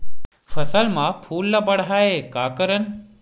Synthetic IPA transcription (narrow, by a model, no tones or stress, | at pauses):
fɐsəlmãpʰuːlːɐpəɽ̤aːekaːkəɾən